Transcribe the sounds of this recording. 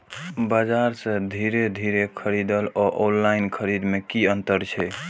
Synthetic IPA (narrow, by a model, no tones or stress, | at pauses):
bəd͡ʒaɾsə̃d̪ʱiɾed̪ʱiɾekʰəɾid̪əlɔʔonlainkʰəɾid̪mekiənt̪əɾt͡ʃʰɛ